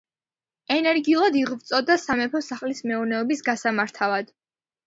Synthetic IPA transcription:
ɛnɛɾɡiulˠad̪iʁvt̪sʼɔd̪asamɛpʰɔsaχlismɛuɾnɛɔbisɡasamaɾt̪ʰavad̪̥

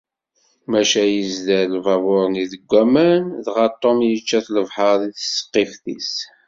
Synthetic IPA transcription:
mæʃæjəzðælvɑvʊɾˤniðəɡʷæmænðʁɑt̪ˤːomjət͡ʃːæθləvħəɾˤiθə̥sːə̥qːefθḭs

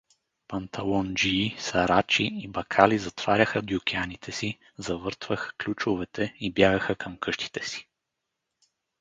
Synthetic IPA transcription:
pɐnt̪ʰɐlˠɔnd͡ʒisɐɾat͡ʃiibɐkʰalizɐt̪v̥aɾʲɐxəd̪jʊkʲianit̪ʰɛsi | zɐvɤɾt̪vəxə̥klʲut͡ʃovɛt̪ɛibjaɡəxəkʰɐmkʰɤʃt̪ʰi̥t̪ɛsi̥

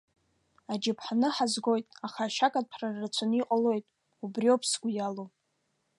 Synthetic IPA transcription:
ad͡ʒɪpʰħanɨħazɡo̞jtʼaχaːʃakʼad̚pʰrarat͡ʃʷʰaniqʼalo̞jtʼ | ubriopʰsɡʷujalo

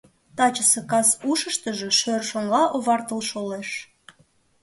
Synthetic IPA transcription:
t̪ɑt͡ɕəsekɑsuʃəʃt̪əʒe̽ʃørʃoŋɡɑʔoβɑrt̪əlʃoleʃ

